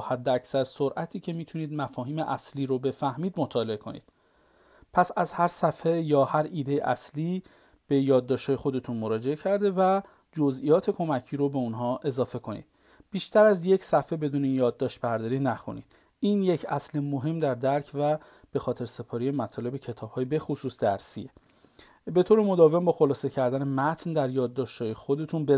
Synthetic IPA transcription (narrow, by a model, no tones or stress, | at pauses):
hæd̪ːeæcsæɾsoɾʔæt̪ʰiːcʰe̞miːt̪ʰuniːd̪mæfɒːɦiːme̞ʔæsliːɾobe̞fæhmiːd̪mot̪ʰɒːle̞e̞kʰo̞nḭːd̪̥ | pʰæsæzhæɾsæfhejɒːhæɾiːd̪e̞jḛʔæ̰sliː | b̥e̞jɒːd̪ːɒːʃt̪hɒːje̞xo̞d̪e̞t̪ʰunmoɾɒːd͡ʒe̞ecʰæɾd̪e̞væ | d͡ʒo̞zʔijɒːt̪ʰe̞kʰo̞mæcʰiːɾobe̞unɦɒːʔe̞zɒːfe̞kʰo̞nḭːd̪̥ | b̥iːʃt̪ʰæɾæzje̞cʰsæfe̞be̞d̪uːneijɒːd̪̚ːɒːʃt̪̚bæɾd̪ɒːɾinæxṵnḭːd̪̥ | iːnje̞cʰæslemoɦe̞md̪æɾd̪æɾcʰvæ | b̥e̞xɒːt̪ʰe̞ɾse̞pʰɒːɾijemæt̪ʰɒːle̞be̞cʰe̞t̪ʰɒːb̥hɒːjebe̞xosuːsd̪æɾsḭe | be̞t̪ʰoːɾemo̞d̪ɒːvembɒːxo̞lɒːse̞cʰæɾd̪æne̞mæt̪ʰnd̪æɾjɒːd̪̚ːɒːʃt̪hɒːjexo̞d̪e̞t̪ʰunbe